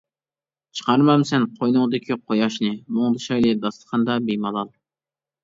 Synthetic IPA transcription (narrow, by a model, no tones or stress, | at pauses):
t͡ʃʰə̥qʰɑɾmɑmsɛnqʰojnʊŋd̪ɪkʲʰiqʰojɑʃnɨmoŋd̪ɨʃɑjlˠɨd̪ɑst̪ə̥qʰɑnd̪ɑbejmɑlˠɑlˠ